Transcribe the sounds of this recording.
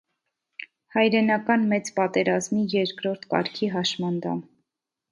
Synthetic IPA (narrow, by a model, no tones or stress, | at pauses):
hɑjɾɛnɑkɑnmɛt͡spɑt̪ɛɾɑzmijɛɾkɾɔɾt̪ʰkɑ̰ɾkʰiɦɑʃmɑnd̪ɑ̰m